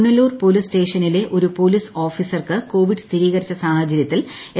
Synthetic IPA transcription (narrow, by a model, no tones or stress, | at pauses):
nɐluːrpolisʈe̞ːʂɐnile̞ʔo̞ɾupo̞liːso̞ːfiːsɐrkɨko̞ːʋiɖst̪ʰiɾiːɣɐɾit͡ɕːɐsaːhɐt͡ɕːɐɾjɐt̪ːile